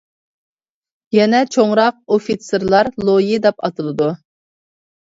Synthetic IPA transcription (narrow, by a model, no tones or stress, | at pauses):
jɛnɛt͡ʃʰoŋɾɑq̚ofit̪sɨɾlˠɑɾlˠojid̪ɛpɑt̪ɨlˠɨd̪u